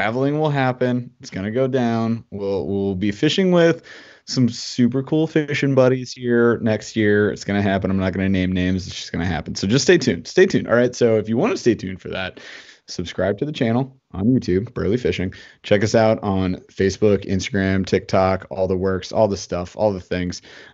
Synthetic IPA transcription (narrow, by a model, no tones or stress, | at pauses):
tʰɹ̥ævl̩ˠɪ̃ŋwɪlˠɦæpɨ̃nɪtsɡ̥ʌñɨɡoʊdãʊ̃nwilˠwilˠbifɪʃɪ̃ŋwɪð̥ | sʌ̃msʉp̬ə˞kʰulˠfɪʃɨ̃nbʌɾiz̥hiɹnɛkst̚jɪɹɨ̰tsɡ̥ʌñɨɦæpɨ̃nãɪ̃mnət̚ɡ̥ʌnɨnẽɪ̃mnẽɪ̃mzɨtsd̥ʒ̥ʌ̥sɡ̥ʌñɨɦæ̰pn̩soʊd͡ʒʌststeɪtʰʉ̃nsteɪtʰʉ̃nʔɑ̰lˠɹaɪtsoʊɨfjɨwɑ̃ñɨsteɪtʰʉ̃nfə̰˞ðæ̰t̚sɨb̥skɹaɪb̚tʰɨðɨt͡ʃʰæ̃nl̩ˠ | ʔə̰̃njʉtʰʉb̚b̥ɜ̰˞lifɪʃɪ̃ŋt͡ʃʰɛkʌsaʊɾn̩feɪsb̥ʊkɪ̰̃nstɨɡɹæ̃mtʰɪk̚tʰɑkʰɔ̰lˠðəwɜ˞ksɔ̰lˠðəstʌfɔ̰lˠðəθɪ̃ŋz̥